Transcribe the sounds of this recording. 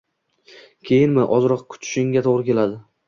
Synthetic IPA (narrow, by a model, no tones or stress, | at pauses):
kʲʰe̞jɪnmɪʔɒzɾɒqkʰʊ̥t̪ʰʊ̥ʃɪŋɡʲat̪ʰoʁɾɪkʲʰe̞lad̪ɪ